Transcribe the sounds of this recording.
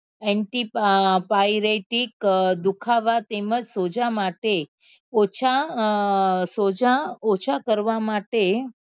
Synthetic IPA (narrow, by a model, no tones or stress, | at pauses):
ɛɳʈippajɾeʈikd̪ukʰaʋat̪eməd͡ʒsod͡ʒamaʈe | ot͡ʃʰa | sod͡ʒaot͡ʃʰakəɾʋamaʈe